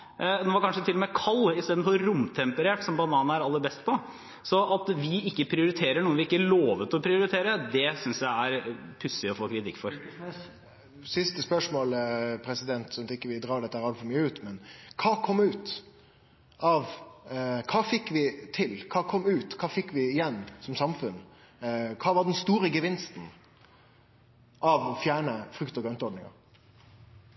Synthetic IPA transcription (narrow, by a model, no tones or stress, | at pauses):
noːʋɑɾkɑnʂət̪ɪlːɔmɛkʰɑlːɪst̪eːd̪nfɔɾʊmt̪ʰɛmpəɾeːʈsɔmbɑnɑːnəæɾɑlːəbɛst̪pʰɔ | sɔʔɑt̪ʋɪɪkːəpʰɾɪʊɾɪt̪ʰeːɾəɳuːəʋɪɪkːəloːʋət̪ɔpʰɾɪʊɾɪt̪ʰeːɾəd̪ɛsʏnsjæɪæɾpʰʉsːɪɔfoːkʰɾɪt̪ʰɪkːfɔɾ | sɪst̪əspœʂmoːləpʰɾɛsɪd̪ɛnt̪sɔt̪ɪkːəʋɪd̪ɾɑːɖɛt̪ːəhæɾɑlfɔɾmyːəʉːt̪mɛnkʰɑːkʰɔmːʉːt̪ | ɑʋ | kʰɑːfɪkːʋɪt̪ʰɪlkʰɑːkʰɔmːʉːt̪kʰɑːfɪkːʋɪːjɛnːsɔmsɑmfʉn | kʰɑːʋɑɖ̪ɛnst̪uːɾəɡəʋɪnst̪n̩ | ʔɑʋfjæːɳəfɾʉkt̪ɔɡɾœnt̪əɔɖnɪŋɑ̰